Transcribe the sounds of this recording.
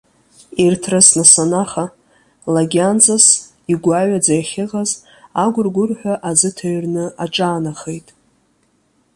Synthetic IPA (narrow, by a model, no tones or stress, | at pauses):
irtʰrɨsnasanaχa | laɡʲand͡zas | iɡʷaɥad͡zajχʲɪʁaz | aɡʷʊrɡʷʊrħʷᶣaʔad͡zɨtʰaɥrnɨaʈ͡ʂʼaːnaχejtʼ